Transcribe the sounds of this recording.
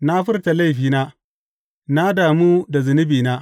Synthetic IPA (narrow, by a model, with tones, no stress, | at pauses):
na˦ɸʊ˦rta˨la˦jɸiː˨naː˦ | na˦daː˨muː˦da˨zɪ˨nɪ˦biː˨naː˦